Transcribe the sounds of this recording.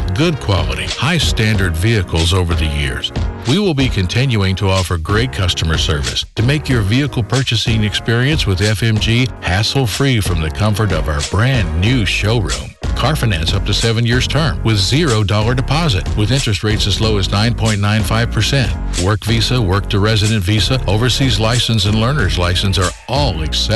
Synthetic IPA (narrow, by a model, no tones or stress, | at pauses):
ɡʊd̚kʰw̥ɑlˠə̰ɾḭhaɪstæ̃ndə˞dviɨkl̩ˠzoʊvə˞ðɨjɪ̰ɹz̥wiwɪlˠbikʰɨ̃ntʰɪ̃njʉɪ̃ŋtʰəɔfə˞ɡɹeɪt̚kʰʌstəmə˞sɜ̰˞vɨ̰stʰɨmeɪkjə˞viɨkl̩ˠpʰɜ˞t͡ʃɨsɪ̃ŋɨkspɪɹiɨ̃nswəðɛfɛ̃md͡ʒihæsl̩ˠfɹifɹʌ̃mðɨkʰʌ̃ɱfə˞ɾʌvaʊə˞bɹæ̃nnːʉʃoʊɹṵ̃mkʰɑɹfɨnæ̃nsʌp̚tʰɨsɛvɨ̃njɪɹz̥tʰɜ̃˞mwɨðzɪɹoʊdɔlˠə˞dɨpʰɑzɨ̰t̚wɨðɪ̃nt͡ʃɹ̥ɨst̚ɹeɪtsɨzloʊɨznãɪ̃npʰɔ̃ɪ̃nnãɪ̃nfaɪv̥pʰə˞sɛ̃nt̚ | wɜ˞kvisəwɜ˞k̚tʰɨɹɛzɨɾɨ̃ntvisəoʊvə˞sizlaɪsɨ̃n̩sɨ̃nlɜ̃˞nə˞zlaɪsɨ̃n̩sə˞ | ʔɔlˠɨksɛ